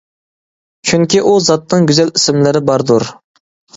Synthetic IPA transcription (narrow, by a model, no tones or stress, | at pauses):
t͡ʃʰyŋkʲiʔuzɑt̪nɨŋɡʲyzælisɪmlɪɾɪbɑɾd̪uɾ